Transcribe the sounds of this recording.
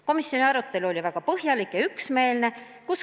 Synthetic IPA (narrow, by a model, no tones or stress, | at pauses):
ko̞misjo̞niɑɾut̪ːe̞luo̞lʲivæɡ̥ɑpɤɦjɑlikjɑyksme̞ːlne | kus